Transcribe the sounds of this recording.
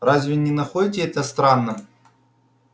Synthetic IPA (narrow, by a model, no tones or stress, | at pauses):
razʲvʲɪnʲɪnɐxodʲɪtʲɪɛt̪əst̪ɾanːə